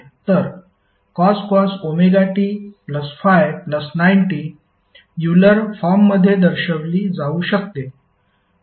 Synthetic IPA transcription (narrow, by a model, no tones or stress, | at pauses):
t̪əɾ | kɔskɔsomeɡaʈiːpləsfajpləsnainʈiː | juləɾfɔmːəd̪ʱːjed̪əɾɕəʋliːd͡zauːɕək̚t̪e